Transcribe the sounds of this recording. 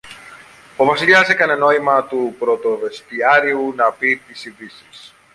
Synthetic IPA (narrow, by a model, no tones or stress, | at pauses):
o̞vɐsiʎɐsekɐneno̞imɐt̪upɾo̞t̪o̞ve̞st̪iɐɾiunɐpit̪isiðisis